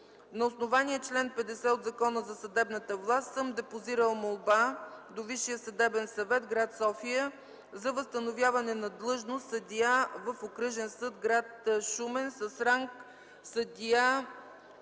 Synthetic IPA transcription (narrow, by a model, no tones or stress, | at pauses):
nɐosnovanijət͡ʃlɛnpɛd̪ɛsɛod̪zɐkɔnəzɐsɐd̪ɛbnət̪əvlˠast̪sɤmd̪ɛpoziɾəlˠmolˠbad̪oviʃːijəsɐd̪ɛbɛnsɐvɛt̪ɡɾat̪sɔfijə | zɐvəst̪ənovʲjavɐnɛnɐd̪lˠɤʒnost̪sɐd̪ʲiavəfokɾɤʒɛnsɤd̪ɡɾat̪ʃumɛnsəsɾaŋk | səd̪ʲia